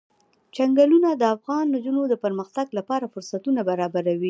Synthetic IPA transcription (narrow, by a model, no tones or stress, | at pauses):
t͡ʃaŋɡalunad̪əafɣɑnːd͡ʒunod̪əpəɾməxt̪aɡlapɑɾafʊɾsat̪unabaɾɑbaɾawi